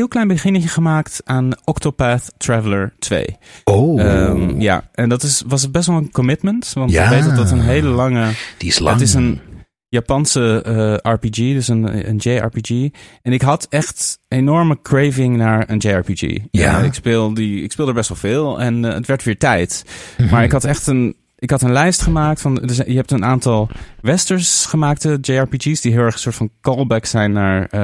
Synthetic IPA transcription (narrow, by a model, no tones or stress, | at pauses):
ɦɪlˠklɛjnbəχɪnəçəχəmaːktaːnʔɔktopaθtɹɛvələɹtʋḛjo | ja̰ːɛndɑtɪsʋɑs̬əd̚bɛs̬tʋɔlˠənkɔmɪtməntʋɑ̃nʋejdədɑtənɦejləlɑŋədislətɪsən | japɑnsəɑɹpid͡ʒidəsənə̰nd͡ʒejɑ̰ɹpid͡ʒiɛnɪkɦɑtɛχtenɔɹməkɹejvɪŋnaːɹənd͡ʒejɑɹpid͡ʒḭa̰ɪkspɪːlˠdiɪ̰kspɪːlˠdəɹbɛsʋɛlˠv̥ɪːlˠɛnə̰tʋɛɹtʋɪːɹtɛjtmaːɹɪkɦɑtɛχtən | ɪkɦɑtənlɛjstχəmaːktfɑndəɛjəɦɛp̚tənaːntɑlˠʋɛstəɹsχəmaːk̚təd͡ʒejɑɹpid͡ʒisdiɦɪːlˠɛɹχəsʊːɹtfɑnkɔlˠbɛksɛjnːaːɹ